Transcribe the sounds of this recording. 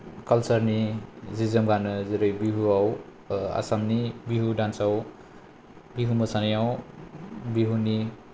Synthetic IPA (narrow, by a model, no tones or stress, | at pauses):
kʌlsʌɾnid͡zizʌmɡanʌziɾʌjbiɦuaw | a̰samnibiɦuɖãnsaw | biɦumʌsʰanijaw | biɦuni